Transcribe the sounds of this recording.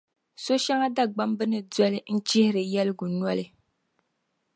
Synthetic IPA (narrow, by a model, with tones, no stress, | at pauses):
so˦ʃa˦ŋa˦da˦ɡ͡ba˦mbɨ˦nɨ˨dɔ˦lɨ˦n̩˦t͡ʃɪ˦hɪ˦ɾɨ˨jɛ˦lɨ˦ɡʊ˨nwɔ˦lɨ˨